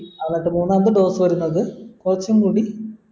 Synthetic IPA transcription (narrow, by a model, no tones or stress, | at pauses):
aːnɐʈːɨmuːnːɐnd̪ɨɖo̞ːsɨʋɐɾunːɐðɨkurɐt͡ɕːɐmkuːɽi